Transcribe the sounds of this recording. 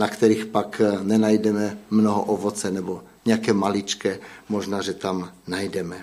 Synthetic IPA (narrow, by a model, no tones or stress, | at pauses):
nakt̪ɛɾiːxpaknɛnajdɛmɛmnoɦoʔovot͡sɛnɛbo | ɲɛjakɛːmalit͡ʃkɛmoʒnaːʒɛt̪amnajdɛmɛ